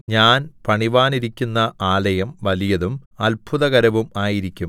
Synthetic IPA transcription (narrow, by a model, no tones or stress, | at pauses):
ɲaːnpɐɳiʋaːniɾikʲːunːɐaːlɐjɐmʋɐlijɐðumɐlpʰuðɐɣɐɾɐʋumaːjiɾikʲːum